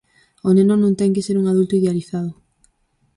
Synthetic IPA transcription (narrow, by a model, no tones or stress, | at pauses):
onẽnonõŋt̪ɛŋkɪseɾuŋaðult̪ʊiðealiθaðʊ